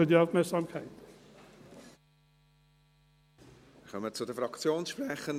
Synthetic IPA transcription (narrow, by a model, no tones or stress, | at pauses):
ədjavmɛsamkʰajt | χœmət͡sʊdəfɾɑkt͡sjoːnsʃprɛχən